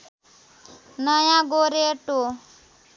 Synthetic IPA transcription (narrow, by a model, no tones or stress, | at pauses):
nəjãɡoɾeʈo